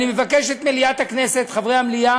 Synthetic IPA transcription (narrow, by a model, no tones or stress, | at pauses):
nimevakeʃet̪meliat̪hakne̞se̞t̪χavʁeamlija